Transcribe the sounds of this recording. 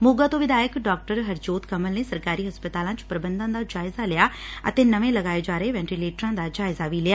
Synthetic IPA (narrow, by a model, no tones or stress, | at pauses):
moːɡaːt̪õːʋɪd̪aːjəkɖaːk̚ʈəɾɦəɾd͡ʒoːt̪kəməlneːsəɾkaːɾiːɦɐspət̪aːlãːt͡ʃpɾəbə̃nd̪ãːd̪aːd͡ʒaːɪzalɪjaːə̰t̪eːnəʋẽləɡaːed͡ʒaːɾəeʋɛ̃ːɳʈileːʈɾãːd̪aːd͡ʒaːɪzaʋiːlɪaː